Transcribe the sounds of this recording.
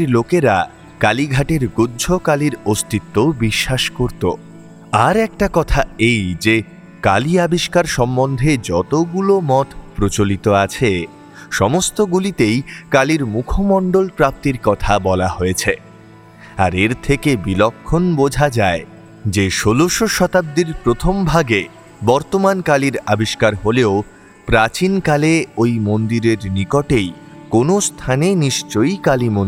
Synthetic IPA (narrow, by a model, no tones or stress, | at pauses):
ɾlokeɾa | kaliɡʱaʈeɾɡudːd͡ʑʱokaliɾost̪it̪ːobiʃːaʃkoɾt̪o̰ | aɾɛk̚ʈakɔt̪ʰaejd͡ʑe | kaliabiʃkaɾʃɔmːond̪ʱed͡ʑɔt̪oɡulomɔt̪pɾot͡ɕolit̪oat͡ɕʰe | ʃɔmost̪oɡulit̪ejkaliɾmukʰomɔɳɖolpɾap̚t̪iɾkɔt̪ʰabɔlahojet͡ɕʰe | aɾeɾt̪ʰekebilɔkʰːonbod͡ʑʱad͡ʑae | d͡ʑeʃoloʃoʃɔt̪ab̚d̪iɾpɾot̪ʰombʱaɡe | bɔɾt̪omankaliɾabiʃkaɾɦoleo | pɾat͡ɕinkaleojmond̪iɾeɾnikoʈejkonost̪ʰaneniʃt͡ɕojkalimon